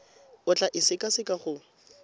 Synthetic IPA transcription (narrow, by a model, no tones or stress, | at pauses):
ʊt͡ɬʼaʔɪsɪkʼasɪkʼaχʊ